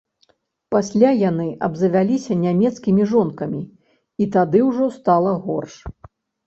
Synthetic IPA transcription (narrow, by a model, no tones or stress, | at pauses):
pasʲlʲajanɨʔɐ̰bzɐvʲalʲisʲɐnʲamʲɛt̪skʲimʲiʐɔnkɐmʲi | it̪ad̪ɨwʐɔst̪alˠɐɣɔrʂ